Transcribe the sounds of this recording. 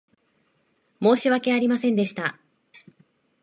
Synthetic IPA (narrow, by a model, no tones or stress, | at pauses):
mo̞ːɕiβake̞aɾʲimasẽ̞nd̪e̞ɕi̥t̪a